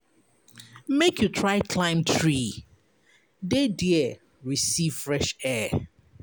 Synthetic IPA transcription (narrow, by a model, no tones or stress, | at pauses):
mekʰjutʰɹaɪkʰlãɪ̃mtʰɹi | dediɛ | ɹisiv̥fɹɛʃɛ